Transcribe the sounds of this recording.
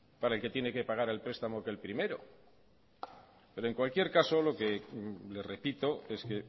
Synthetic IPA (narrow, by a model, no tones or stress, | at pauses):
paɾaelke̞t̪je̞ne̞ke̞paɣ̞aɾe̞lpɾe̞st̪amo̞kelpɾime̞ɾo̞̰ | pe̞ɾoeŋkwalkje̞ɾkaso̞lo̞ke̞le̞re̞pit̪o̞e̞ske̞